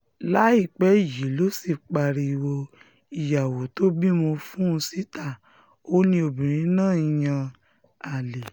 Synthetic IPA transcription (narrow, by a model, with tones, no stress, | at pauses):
la˨˦i˦˨k͡pɛ˨˦i˦˨ji˨˦lo˦si˦˨k͡pa˧˨ɾi˧i˧wo˧ | i˨ja˨wo˨˦to˦bi˦mo˧fũ˦˧si˦ta˦˨ | o˦nĩ˧o˧bĩ˨ɾ̃ĩ˨˦nãː˦˨i˨˧˨j̃ã˧ | a˨le˨